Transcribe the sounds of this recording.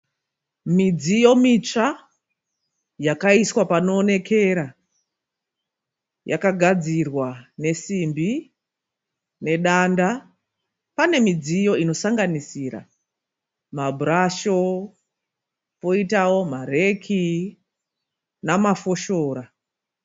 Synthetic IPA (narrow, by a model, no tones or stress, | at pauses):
mid͡zijo̞mit͡ʂa | jakaiswapano̞ːne̞kʰe̞ɾa | ja̰kaɡʱad͡zirwane̞simbi | ne̞ɗanda | pane̞mid͡zijo̞ino̞saŋɡanisiɾa̰ | mabʱuraʃo̞ | po̞itawo̞mare̞kʰi | namafo̞ʃoːɾa